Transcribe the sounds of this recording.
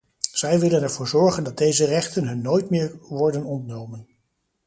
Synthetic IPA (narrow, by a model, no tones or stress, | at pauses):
z̥ɛjʋɪlənɛɹvʊːɹzɔɹχəndɑt̚dejzərɛχtənɦɵnːoːjtmɪːɹʋɔɹdənɔntnowmən